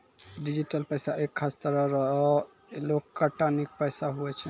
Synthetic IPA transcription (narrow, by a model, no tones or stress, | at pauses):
ɖid͡ʒiʈəlpəjsaʔekʰːast̪əɾəɾəɦɔ | elokːəʈanik̚pəjsaɦuɛt͡ʃʰɛ